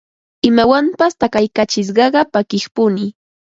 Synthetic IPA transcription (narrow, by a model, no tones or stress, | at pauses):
ɪmawampast̪akajkat͡ʃɪs̬ɢɑɢɑpakɪχpʊnɪ